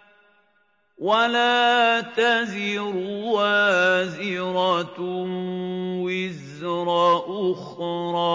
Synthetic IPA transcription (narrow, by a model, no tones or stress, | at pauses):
walaːt̪azɪɾʊwazɪɾˤɑ | wɪz | ɾˤɑːʔʊxɾˤɑː